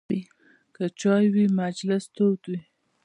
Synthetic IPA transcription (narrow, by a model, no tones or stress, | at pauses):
i | kət͡ʃɑjwimad͡ʒlɪst̪owt̪wi